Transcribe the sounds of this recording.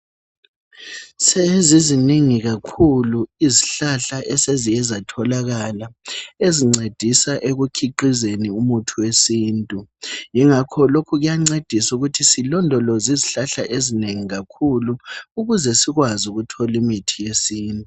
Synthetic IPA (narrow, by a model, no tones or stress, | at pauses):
seɛziziniŋiɣakʰuluiziɬaɬaʔɛsezijɛzatʰɔlaɣalaeziŋ͡ǀed̥ʱisaʔeɣukʰiǃizeniumutʰuwesiːntʼujiŋakʰɔlokʰuɣujaŋ͡ǀed̥ʱisuɣutʰisilɔndʱɔlɔziziɬaɬa̰ʔezineŋiɣakʰuluuɣuzɛsiɣwazuɣutʰɔlimitʰijesiːntʼu